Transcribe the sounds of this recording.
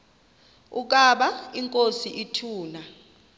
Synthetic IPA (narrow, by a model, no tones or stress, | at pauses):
uk̬ʼaɓaiŋkʼosiʔitʰuːna